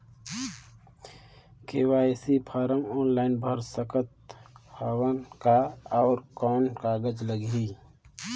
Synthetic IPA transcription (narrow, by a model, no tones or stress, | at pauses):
keːwaːesipʰaːɾəmɔːnlaːɪnbʱəɾsəkət̪̚hawənkaɔːɾkɔːnkaːɡəd͡ʒləɡi